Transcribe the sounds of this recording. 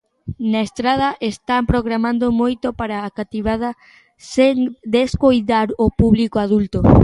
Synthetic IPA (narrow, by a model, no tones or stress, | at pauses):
naest̪ɾað̞ɐʔest̪ampɾoɣɾamãnd̪omojt̪opaɾaːkat̪iβað̞ɐ | seŋd̪eskojt̪aɾopuβlikoaðult̪o